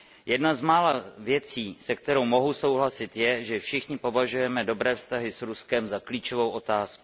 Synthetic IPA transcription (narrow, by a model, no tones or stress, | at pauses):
jɛdnazmaːlavjɛt͡siːsɛk̚t̪ɛɾo̞wmo̞ɦuso̞wɦlasɪt̪jɛʒɛfʃɪxɲɪpo̞vaʒujɛmɛdo̞bɾɛːfst̪aɦɪsɾuskɛmzakliːt͡ʃo̞vo̞wʔo̞t̪aːsku̥